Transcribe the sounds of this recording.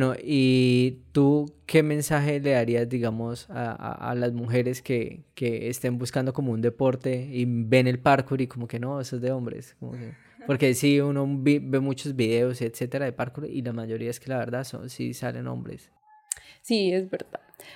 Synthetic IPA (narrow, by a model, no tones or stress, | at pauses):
no̞ʔit̪uke̞mẽ̞nsaxe̞le̞ðaɾiazd̪iɣamo̞sa̰a̰a̰lazmuxe̞ɾe̞ske̞keeːst̪e̞mbuskand̪o̞ko̞mound̪e̞po̞ɾt̪e̞ibe̞ne̞lpaɾkuɾiko̞moke̞no̞esozd̪eo̞mbɾḛskomoke | po̞ɾke̞siuno̞βibe̞mut͡ʃo̞zbiðe̞osiet̪se̞t̪e̞ɾaðepaɾkuɾʔilamaʝo̞ɾiae̞ske̞laβe̞ɾd̪aðso̰nsḭsale̞̰no̰mbɾe̞̰s | siezbeɾd̪að